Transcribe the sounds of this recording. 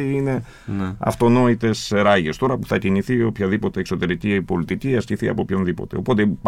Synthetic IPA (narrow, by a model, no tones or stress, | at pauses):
iine̞ | ɐ̰ft̪o̞no̞it̪e̞sɾɐʝe̞st̪o̞ɾɐpu̥θɐciniθio̞pçɐðipo̞t̪e̞ːkso̞t̪e̞ɾicipo̞lit̪iciɐsciθiɐ̰po̞pçonðipo̞̰t̪e̞opo̞t̪ep